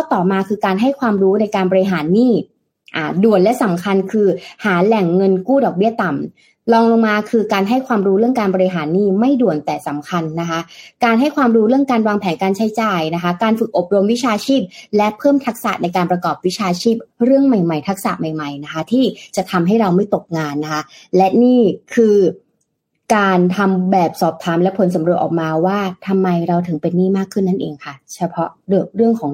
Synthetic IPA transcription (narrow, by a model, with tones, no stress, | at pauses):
kʰɔ˥˩t̪ɔː˨˩maː˧kʰɯː˧kaː˧nɦa˥˩jkʰwaː˧mɾuː˦˥na˧jkaː˧nbɔː˧ɾi˧ɦaː˩˦nːiː˥˩ | ʔaː˨˩du˨˩ənlɛ˦˥sa˩˦mkʰa˧nkʰɯː˧haː˩˦lɛ˨˩ŋːɤ˧nkuː˥˩dɔː˨˩k̚bi˥˩ɐt̪a˨˩m | lɔː˧ŋlo˧ŋmaː˧kʰɯː˧kaː˧nɦa˥˩jkʰwaː˧mɾuː˦˥ɾɯ˥˩əŋkaː˧nbɔː˧ɾi˧˥ɦaː˩˦nːiː˥˩ma˥˩jdu˨˩ənt̪ɛː˨˩sa˩˦mkʰa˧nːa˦˥kʰa˦˥ʔkaː˧nɦa˥˩jkʰwaː˧mɾuː˦˥ɾɯ˥˩əŋkaː˧nwaː˧ŋpʰɛː˩˦nkaː˧nt͡ɕʰa˦˥jt͡ɕaː˧jna˦˥kʰa˦˥kaː˧nfɯ˨˩k̚ʔo˨˩p̚ɾo˧mwi˦˥t͡ɕʰaː˧t͡ɕʰiː˥˩p̚lɛ˦˥pʰɤː˥˩mt̪ʰa˦˥k̚sa̰˨˩na˧jkaː˧npɾa˧kɔː˨˩p̚wi˦˥t͡ɕʰaː˧t͡ɕʰiː˥˩p̚ɾɯ˥˩əŋma˨˩jma˨˩jt̪ʰa˦˥k̚sa̰˨˩ʔma˨˩jma˨˩jna˦˥kʰa˦˥t̪ʰiː˥˩t͡ɕa˨˩t̪ʰa˧mɦa˥˩jɾa˧wma˥˩jt̪o˨˩k̚ŋaː˧nːa˦˥kʰa˦˥lɛ˦˥ʔniː˥˩kʰɯː˧ | kaː˧nt̪ʰa˧mbɛː˨˩p̚sɔː˨˩p̚t̪ʰaː˩˦mlɛ˦˥pʰo˩˦ns̬a˩˦mɾu˨˩ət̪̚ʔɔː˨˩k̚maː˧waː˥˩t̪ʰa˧mːa˧jɾa˧wt̪ʰɯ˨˩˦ŋpe˧nːiː˥˩maː˥˩kʰːɯ˥˩nːa˥˩nʔḛː˧ŋkʰa˥˩t͡ɕʰa˧pʰɔ˦˥ɾɯ˥˧˩ək̚ɾɯ˥˩əŋkʰɔː˩˦ŋ